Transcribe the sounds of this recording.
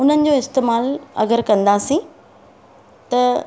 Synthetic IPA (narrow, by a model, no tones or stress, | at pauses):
ʊn̤ənɪ̆d͡ʑoːɪst̪eːmaːlɐ̰ɡəɾkɐ̃nd̪asĩ | t̪ɐ